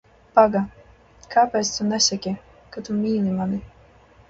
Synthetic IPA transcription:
paɡa | kʰaːpʲɛːt̪st̪unɛsʲɛkʲi | kat̪umʲiːlimani

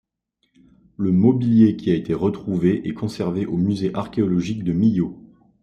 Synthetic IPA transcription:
ləmɔbiljekʲiaet̪ʰeʁət̪χuveʔɛkɔ̃sɛʁveʔomyzeʔaʁkʲeɔlɔʒik̚d̪əmijo

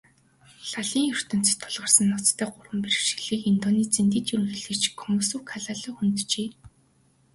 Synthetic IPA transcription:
ɬaɮiːŋjɵr̥t̪ɵ̆n̥t͡se̥t̪ʰːʊ̥ɮʁə̆rsə̆nːɔt͡st̪ʰːæːɢʊrwə̆mper̆ʃi̥ɮiːkint̪ɔːniːt͡sent̪iːt̪iɾɣɘ̆ɮɘ̆t͡ɕkʰːɔmʊsuːkʰaɮaːɮɔːxunt̪t͡ɕeː

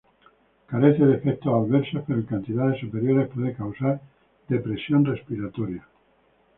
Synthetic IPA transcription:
kaɾeθeðefek̚t̪oalβeɾsopeɾokant̪iðaðesupeɾjo̞ɾespweðekawsaɾ | d̪epɾe̞sjonre̞spiɾat̪oɾja

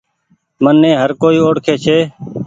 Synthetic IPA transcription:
mənːẽːɦəɾkoːiːoːɽkʰeːt͡ʃʰeː

